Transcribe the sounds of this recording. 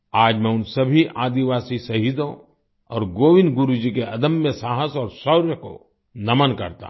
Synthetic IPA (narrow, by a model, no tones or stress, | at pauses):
aːd͡ʒmẽʊnsɐbʱiʔaːd̪iʋaːsisɐɦid̪õ | ɔːɾɡoːʋɪ̃nɡʊɾud͡ʒikeɐd̪əmːẽsaːɦəsɔːɾsɔʊɾjəko̰ | nɐmənkɐɾt̪a̰